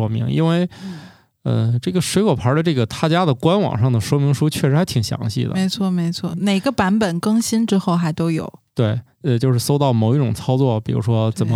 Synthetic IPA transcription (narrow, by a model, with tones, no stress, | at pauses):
wɔ˥mḭ˧˥ŋḭ˥nwe˥˧ɪ | ə̰˧ʈ͡ʂɤ˥˩ɡə˩ʂwe˧˥ɪkwɔ˨˩pʰa˧˥d̪ə˧ʈ͡ʂɤ˥˩ɡə˩t̪ʰa˥˩t͡ɕja˥d̪ə˨kwa˥nwɑ̰˨˩ŋʂɑ˥˩ŋd̪ə˩ʂwɔ˥mi˧˥ŋʂu˥t͡ɕʰɥɛ˥˩ʂɻ̩˧˥xt̪ʰi˨˩ŋɕjɑ̰˧˥ŋɕḭ˥˩d̪ə̰˨˥ɪt͡sʰwɔ˥˩me˧˥ɪt͡sʰwɔ˥˩ne˨˩ɪɡə˧pa˧˥npə˨˩nkɤ˥˧ŋɕi˥nʈ͡ʂɻ̩˥xo˥˩ʊxa˧˥ɪt̪o˥ʊjo˨˩˦ʊt̪we˥˩ɪ | ə˧t͡ɕjo˥˧ʊʂ̬ɻ̩˥˩so˥ʊt̪ɑ˥˩ʊmo˨˩ʊi˥˩ʈ͡ʂʊ˨˩ŋt͡sʰɑ˥ʊt͡swɔ˥˩pi˨˩ɻṵ˧˥ʂwɔ˥t͡sə˨˩nmə˦